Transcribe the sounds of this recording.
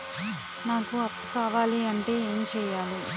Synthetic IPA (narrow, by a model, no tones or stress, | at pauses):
naːkuɐpːu̥kaːʋaːliɐɳʈe̞ːeːmt͡ʃɛːjaːli